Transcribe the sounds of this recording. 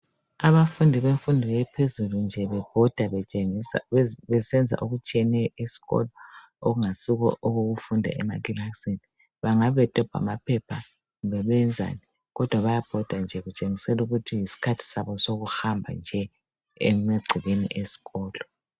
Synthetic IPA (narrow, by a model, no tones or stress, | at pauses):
aβafundʱiβeɱfundʱiɣɛpʰezulund͡ʒʱɛβɛb̥ʱɔd̥ʱa | βɛsɛnd͡zʱa̰ʔoɣut͡ʃʼiɛnɛjɔʔesi̥ɣɔ̰lɔ | oɣuŋasiɣɔ̰ʔoɣoɣufundʱa̰ʔɛmakilaksini | βaŋaβɛtʼɔb̥ʱa̰mapʰɛpʰa | βɛβɛnd͡zʱa̰ni | ɣɔd̥ʱwaβajab̥ʱɔd̥ʱand͡ʒʱɛɣut͡ʃʼeŋisɛluɣutʰijisi̥kʰatʰi̥saβɔsoɣuhambʱa̰nd͡ʒʱɛ | ḛmeɡ͡ǀʱiβenḭʔesi̥ɣɔːlɔ